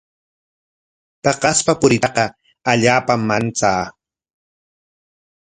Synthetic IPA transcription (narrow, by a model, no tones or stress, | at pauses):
t̪ɑqɑspapʊɾɪɑqɑ | aʎaːpamːant͡saː